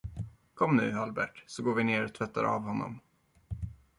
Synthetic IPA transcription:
kʰɔmnʉ̟̰ːalbæʈsɔɡoːɾvɪneːɾɔt̪ʰvɛt̪ːa̰ɾa̰ːvhɔnːɔ̰m

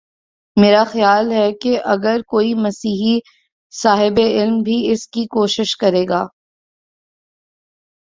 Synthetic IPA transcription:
meːɾaxɐjaːlɦɛkeʔɐɡəɾkoːimɐsiːɦi | saːɦɪbeɪlmbʱiɪskikoːʃɪʃkɐɾeːɡaː

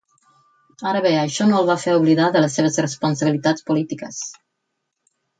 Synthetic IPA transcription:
aɾəβeəʃɔnoəlˠβafeɾuβliðaðələsːeβ̞əszrəspunsəβilit̪at͡spulit̪ikəs

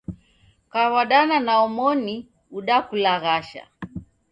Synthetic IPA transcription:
kawaɗananaɔmɔni | uɗakulaɣaʃa̰

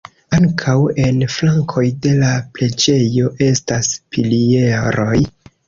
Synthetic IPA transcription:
aŋkʰawe̞nflaŋkʰo̞jde̞laple̞d͡ʒe̞jo̞ʔe̞staspilie̞ɾo̞j

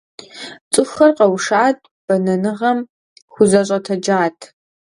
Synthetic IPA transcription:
t͡sʼɨxɐrqɐwʂaːtʼ | b̥ɐnɐnɨʁɐm | xʷʊzɐɕʼɐtʰɐd͡ʒaːtʰ

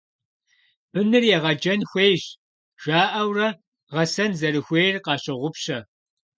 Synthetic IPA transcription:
b̥ɨnɨrjɛʁɐd͡ʒɐnxʷeːjɕ | ʒ̥ʷaːʔɐwrɐ | ʁɐsɐnzɐɾɨxʷeːjrqɑːɕɪʁʷʊpɕɐ

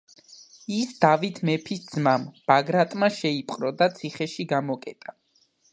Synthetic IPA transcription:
isd̪avit̪ʰmɛpʰisd̪zmamb̥aɡɾat̪ʼmaʃɛipʼqʼɾɔd̪at̪sʰiχɛʃiɡamɔkʼɛ̰t̪ʼa

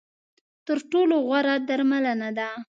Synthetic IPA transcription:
t̪əɾʈoloɣwaɾad̪aɾmalənad̪a

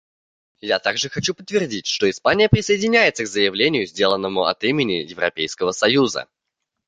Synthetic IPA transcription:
jat̪aɡʐɨxɐt͡ɕupə̥t̪ːvʲɪrdʲitʲʂt̪oɪspanʲɪjəpɾʲɪsəɪdʲɪnʲæjɪt̪səɡzəjɪvlʲenʲɪjʊzʲdʲe̞lˠənːəmʊɐ̰t̪imʲɪnʲɪjɪvɾɐ̰pʲejskəvəsɐjuzə̰

